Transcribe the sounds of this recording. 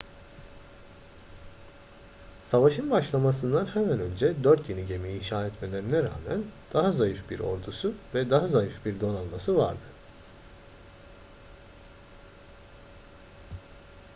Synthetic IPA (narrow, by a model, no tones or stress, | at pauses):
savaʃɯnbaʃlˠamas̬ɯnd̪anhemænø̞nd͡ʒɛd̪øɾt̪jeniɟe̞miːnʃaːɛt̪me̞lʲeɾinɛɾa̰ːmæ̰nd̪̥aɦazajɯfbiɾo̞̰ɾd̪usuvɛd̪aɦazajɯfbiɾd̪o̞nanˠmasɯva̰ɾd̪ɯ